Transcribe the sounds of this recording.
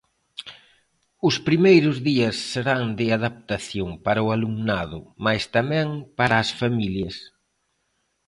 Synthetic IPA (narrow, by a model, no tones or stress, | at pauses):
ʊspɾimejɾʊzðiɐsːeɾaŋd̪ɪaðap̚t̪aθjoŋpaɾɐʊalumnaðʊmajst̪amɛ̃ŋpaɾaːsfamiljɐs